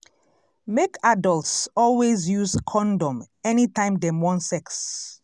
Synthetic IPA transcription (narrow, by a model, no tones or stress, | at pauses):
mekadɔltsɔlwezjuzkʰɔ̃ndɔ̃m | ɛnitãɪ̃mdemɔ̃nsɛks